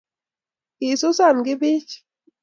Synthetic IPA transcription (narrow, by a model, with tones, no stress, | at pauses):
i˨su˦sa˦˨nɡɪ˦bi˦t͡ʃ